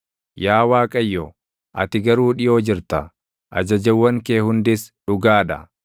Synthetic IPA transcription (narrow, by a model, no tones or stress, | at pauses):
jaːwaːkʼɐjːɔ | ʔɐ̰t̪ɪɡɐɾuːᶑɪjoːd͡ʒɪɾt̪ɐ | ʔɐ̰d͡ʒɐd͡ʒɐwːɐŋkeːhʊnd̪ɪsᶑʊɡaːᶑɐ̰